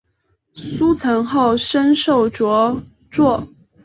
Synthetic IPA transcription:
su˥t͡sʰɤ˧˥ŋxo˥˩ʊʂə˥nʂo˥˩ʊʈ͡ʂwɔ˧˥ | t͡swɔ˥˩

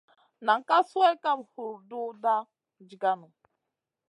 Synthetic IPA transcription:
na˨ŋ̩˨ka˦su˦ɛ˦ka˦m˨hu˨ɾdu˦da˦˨ | d͡ʒi˨ɡa˦nu˨

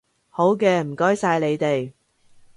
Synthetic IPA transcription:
ho˨˥wkɛː˧m̩˨˩kɔː˥jsaː˧jle˨˧jt̪e˨j

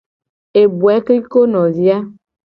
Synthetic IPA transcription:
e˨bu˨ɛ˨˦kli˦ko˦nɔ̃˨zi˦a˦

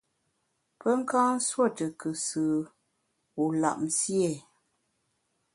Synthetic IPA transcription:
pə˦ŋ̩˦kãː˦swo˦˨tə˨kɨ˨sɨː˨ | wu˨la̰˨ʔmsje˦˨

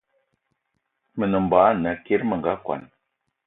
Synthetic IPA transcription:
mə˨nə˨mba˨a˦na˨ki˦ɾmə˨ŋɡa˦kʷa̰˨n

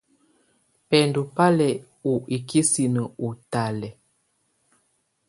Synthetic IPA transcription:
pɛ˨ndu˨pa˦lɛ˨ | u˨i˨kʰi˦si˨nə˨u˨ta˨lɛ˨

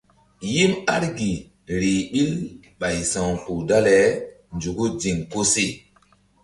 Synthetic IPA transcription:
ji˦ma˦ɾɡi˨ | ɾi˨ɓi˦l | ɓa˨jsã˨ŋpu˨da˦le˨ | nd͡ʒu˨ɡu˦d͡ʒi˨ŋko˦se˦˨

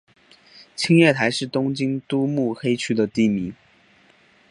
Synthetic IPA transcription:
t͡ɕʰi˥ŋjɥɛ˥˩t̪ʰa˧˥ɪʂɻ̩˥˩t̪ʊ˥ŋt͡ɕi˥ŋt̪u˥mu˥˩xe˥ɪt͡ɕʰy˥d̪ə˨t̪i˥˩mi˧˥ŋ

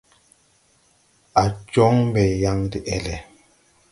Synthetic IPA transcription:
a˨t͡ʃɔ˦ŋmbɛ˨ja˦ŋdi˦ʔɛ˦˨lɛ˨

